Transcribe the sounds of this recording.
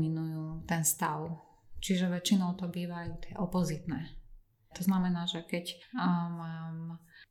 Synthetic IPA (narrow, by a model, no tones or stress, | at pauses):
minujuːt̪ɛnst̪aʊ | t͡ʃiʒɛʋɛt͡ʃinɔʊt̪ɔbiːʋajuːt̪ɪɛʔɔpɔzit̪nɛː | t̪ɔznamɛnaːʒɛkɛcmaːm